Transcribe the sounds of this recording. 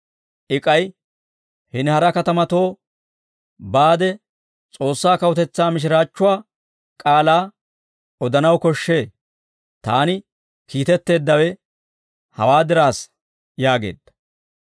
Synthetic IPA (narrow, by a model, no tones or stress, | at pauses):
ʔɪkʼɐj | hɪnhɐɾɐkɐt̪ɐmɐt̪o̞ː | baːd̪ɛ | t͡sʼo̞ːsːaːkɐwɔt̪ɛt͡sːaːmɪʃ̬ɪɾaːt͡ʃːʊwaː | kʼaːlaː | ɔd̪ɐnɐwkɔʃːe̞ː | t̪aːnɪ | kiːt̪ɛt̪ːe̞ːd̪ːɐwɛ | hɐ̰waːd̪ɪɾaːs | jaːɡe̞̰ːd̪ːɐ̥